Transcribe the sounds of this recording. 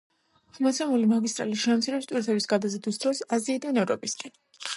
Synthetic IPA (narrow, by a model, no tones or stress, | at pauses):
mat̪sʰɛmulimaɡist̪ʼɾa̰liʃɛmt̪sʰiɾɛst̪ʼwiɾt̪ʰɛbisɡad̪azɛd̪usd̪ɾɔsaziːd̪anɛvɾɔ̰pʼiskʼɛn